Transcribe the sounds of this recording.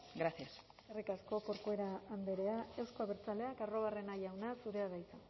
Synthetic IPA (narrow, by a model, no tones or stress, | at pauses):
ɡɾasjas | erikasko̞ko̞ɾkue̞ɾaːnd̪e̞ɾe̞ae̞wskoaβeɾt͡sale̞akaro̞βare̞najawnasuɾe̞aðajt͡sa